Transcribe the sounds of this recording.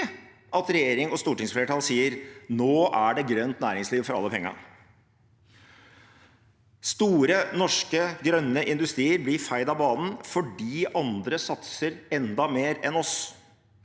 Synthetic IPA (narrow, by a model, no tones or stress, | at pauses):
ʔɑt̪ɾɛjeːɾɪŋɔst̪uːʈɪŋsfleːʈʰɑːlsiːəɾnoːʔæɖɛɡɾœnt̪næːɾɪŋsliːʋfɔɾɑlːəpʰɛŋːə̰ | st̪uːɾənɔʂkəɡɾœnːəʔɪnd̪ʉst̪ɾiːəɾblɪfæɪd̪ɑbɑːnn̩fɔɖiːɑnd̪ɾəsɑt̪səɾɛnd̪ɑmeːɾɛnɔs